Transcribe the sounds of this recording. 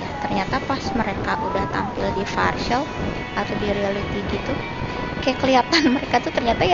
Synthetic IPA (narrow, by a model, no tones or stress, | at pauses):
t̪ərɲat̪apasməɾekaʔudaht̪a̰mpɪldifarʃəl | at̪adiɾealit̪iɡit̪u | kajakəliat̪anməɾekat̪ut̪ərɲat̪aj